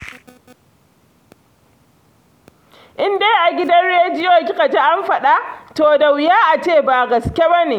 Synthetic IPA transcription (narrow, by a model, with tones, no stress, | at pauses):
ʔɪ˦ndeː˦ʔa˨ɡʲɪ˦dɐ˦nɽeː˦d͡ʒɪ˦joː˨kʲɪ˦ka˨ta˦ʔa˦mɸɐ˨ɗa˦toː˨da˨wjaː˦ʔa˨t͡ʃeː˦˨ba˨ɡɐ˨skʲe˦bɐ˦ni˨